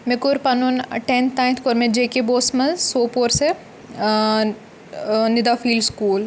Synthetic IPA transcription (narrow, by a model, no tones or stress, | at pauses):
mekʊɾpɐnunʈent̪ʰnaːjnt̪ʰkoɾmẽd͡ʒeːkeboːsmɐ̃zsoːpoːɾse | nɪd̪aːfʰiːlskuːl